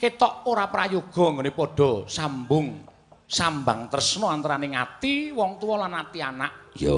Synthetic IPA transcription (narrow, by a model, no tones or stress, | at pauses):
ket̪ɔʔoɾapɾajoɡ̥ɔ̤ŋɡonepɔɖ̥ɔ̤sambʊŋ | sambaŋt̪əɾəsnɔant̪aɾanɪŋat̪iwɔŋt̪uwɔlanat̪ianaʔ